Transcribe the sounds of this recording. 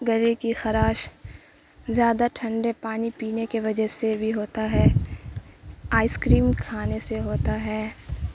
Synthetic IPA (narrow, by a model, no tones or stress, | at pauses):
ɡɐɾikixɐɾaːʃ | zjaːd̪aʈʰɐ̃ɳɖepaːnipiːnekeʋɐd͡ʒəsebʱiɦoːt̪aɦɛː | aːɪskɾiːmkʰaːneseɦoːt̪aɦɛː